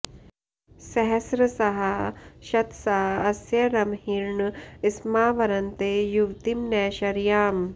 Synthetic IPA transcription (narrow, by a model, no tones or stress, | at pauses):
sɐɦɐsɾɐsɐɦɐʃɐt̪sɐɦɐɐsjɐɾɐmhiɾɳismaːʋɐɾɐnt̪eːjuʋt̪imnɛːɕɐɾjaːm